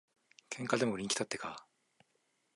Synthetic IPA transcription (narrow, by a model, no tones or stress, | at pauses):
kʰẽ̞ŋkad̪e̞moɯɾʲĩŋkʲi̥t̪at̪ːe̞ka